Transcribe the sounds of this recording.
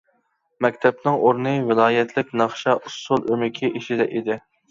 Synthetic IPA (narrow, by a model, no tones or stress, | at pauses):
mɛkʲt̪ʰɛpnɨŋʔoɾnɨvɪlˠɑːjɛt̪ʰlɪk̚ʲnɑχʃɑʔusʊlˠʔømɪkʲʰiʔiʃid̪ɛʔid̪ɪ